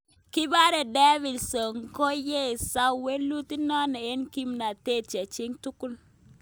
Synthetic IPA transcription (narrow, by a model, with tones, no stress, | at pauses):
ki˦ba˦ɾe˨de˦vi˨lso˨ŋ˨ko˦je˦˨sa˦we˦lu˦ti˦nɔ˦ne˨e˦nki˦mna˨te˦˨t͡ʃe˨t͡ʃi˦ŋtu˦ku˦l